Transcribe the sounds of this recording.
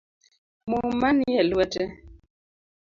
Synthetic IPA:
mumanijɛlwɛtɛ

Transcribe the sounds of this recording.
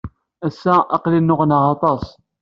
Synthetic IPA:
æsːæʔɑqlinːʊʁnəʁɑt̪ˤɑsˤ

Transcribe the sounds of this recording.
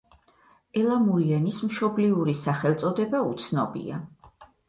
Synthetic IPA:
ɛlˠamuiɛnismʃɔbliuɾisaχɛlˠt̪sʼɔd̪ɛbaut̪sʰnɔbḭa

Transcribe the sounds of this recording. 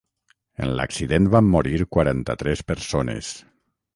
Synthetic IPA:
ḛnla̰ksiðenbamːoɾiɾkwaɾant̪at̪ɾɛspəɾsonḛs

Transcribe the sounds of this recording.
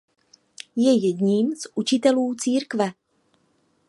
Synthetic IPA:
jɛjɛɟɲiːmzʔut͡ʃɪt̪ɛluːt͡siːɾkvɛ

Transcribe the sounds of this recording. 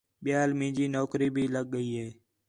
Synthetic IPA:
ɓɪjaːlmĩːd͡ʒiːnoːkɾiːbʱiːləɠ̚ɠəiːɦeː

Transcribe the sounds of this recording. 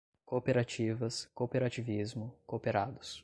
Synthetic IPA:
kopeɾat͡ʃivɐskopeɾat͡ʃivizmʊkopeɾad̪ʊs

